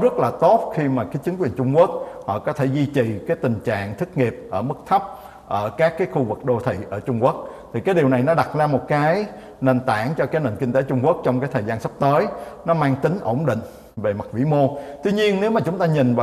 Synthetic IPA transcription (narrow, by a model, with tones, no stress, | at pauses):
zə˦˥t̚laː˨˩t̪o˦˥t̚xi˧maː˨˩kaː˨˦jt͡ɕi˨˦ŋ̟kwi˨˩ənt͡ɕʊ˧ŋ͡mku˦˥ək̚hɔ̰˧˨kɔ˨˦t̪ʰe˧˩zi˧t͡ɕi˨˩kaː˨˦jt̪ï˨˩ŋ̟t͡ɕa̰ː˧˨ŋt̪ʰï˦˥k̚ŋi˨˩əp̚ʔəː˧˩mɨ˦˥k̚t̪ʰə˦˥p̚ | ʔəː˧˩kaː˦˥kːaː˨˦jxu˧vɨ˨˩k̚ɗo˧t̪ʰḭ˧˨ʔəː˧˩t͡ɕʊ˧ŋ͡mku˦˥ək̚t̪ʰi˨˩kaː˨˦jɗi˨˩əwna˨˩jnɔ˨˦ɗa˨˩t̚zaː˧mo˨˩t̚kaː˨˦j | ne˨˩nt̪a̰ː˧˩ŋt͡ɕɔ˧kaː˨˦jne˨˩nkï˧ŋ̟t̪e˨˦t͡ɕʊ˧ŋ͡mku˦˥ək̚t͡ɕɔ˧wŋ͡mkaː˨˦jt̪ʰə˨˩jzaː˧nsa˦˥p̚t̪əː˨˦jnɔ˨˦maː˧ŋt̪ï˨˦ŋ̟ʔo˧˩wŋ͡mɗḭ̈˧˨ŋ̟ | ve˨˩ma˨˩t̚vḭ˧˥mo˧t̪wi˧ɲi˧ənne˨˦wmaː˨˩t͡ɕʊ˨˦ŋ͡mt̪aː˧ɲï˨˩ŋ̟vaː˨